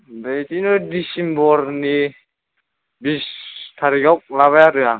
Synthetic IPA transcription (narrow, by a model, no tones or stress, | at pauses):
bejt̪inɔdisimbɔɾni | bist̪ʰaɾikawk̚laβajatuja